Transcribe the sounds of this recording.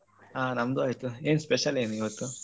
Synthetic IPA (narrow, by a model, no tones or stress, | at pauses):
aːnɐmd̪uaːjt̪ue̞ːnspeʃɐleːnuiʋɐt̪ːu